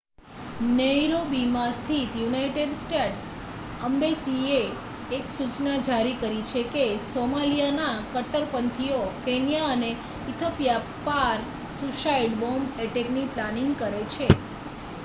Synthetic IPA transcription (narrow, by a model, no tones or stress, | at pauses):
nəjɾobimãst̪ʰit̪junaiʈeɖsʈeʈs | əmbesieː | ksut͡ʃnad͡ʒaɾikəɾit͡ʃʰekesomalijanakəʈəɾpənt̪ʰiokenijaəne | it̪ʰopja | paɾ | suʃaiɖbomeʈekniplaniŋɡkəɾet͡ʃʰe